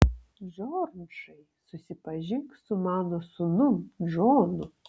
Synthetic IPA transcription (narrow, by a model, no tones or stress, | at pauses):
ʒoːɾnʃɐɪsʊsʲɪpɐʒʲɪŋksʊmɑːnosʊnʊmd͡ʒoːnʊ